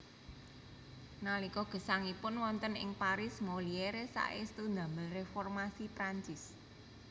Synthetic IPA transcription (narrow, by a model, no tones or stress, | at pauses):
nalikɔɡ̥ə̤saŋipʊnwɔnt̪ənɪ̰ŋpaɾɪsmolieɾesa̰ʔḛst̪und̪a̤məlrefɔrmasipɾaɲt͡ʃɪs